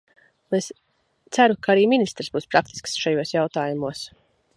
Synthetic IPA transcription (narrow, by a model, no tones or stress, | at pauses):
es | t̪sæɾukaaɾiːminist̪ɾ̥sbuːspɾak̚t̪i̥sksʃajuɔsjawt̪aːjumuɔs